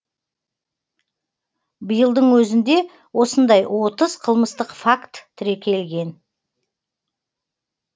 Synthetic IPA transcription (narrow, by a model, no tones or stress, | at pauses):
bijəlˠd̪əɴwɵzɪnd̪e̞ | wo̞sənd̪ɑjwo̞t̪əzqʰəlˠməst̪əqfakt̪ʰːʏɾe̞kʲʰe̞lɡʲe̞n